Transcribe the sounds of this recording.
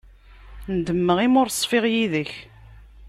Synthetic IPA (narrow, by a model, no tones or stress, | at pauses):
nd̪əmːəʁimʊɾsˤːfɪʁjiðəç